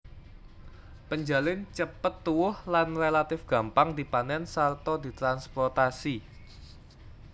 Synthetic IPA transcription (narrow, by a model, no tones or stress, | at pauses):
pəɲd͡ʒa̤lɪnt͡ʃəpət̪ːuwʊhlanrelat̪ɪfɡ̥a̤mpaŋd̪i̤panɛnsart̪ɔd̪i̤t̪ɾanspɔrt̪asi